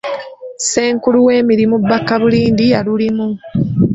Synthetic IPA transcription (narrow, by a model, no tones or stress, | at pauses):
se̞ːŋkuluwe̞ːmiɾimubakːaβuliːndialulimu